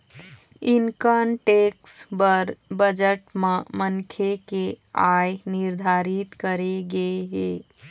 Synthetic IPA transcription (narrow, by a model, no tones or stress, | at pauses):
inkənʈeksbəɾbəd͡ʒəʈmemənkʰeke | ajniɾd̪ʱaɾit̪kəɾeɡeɦe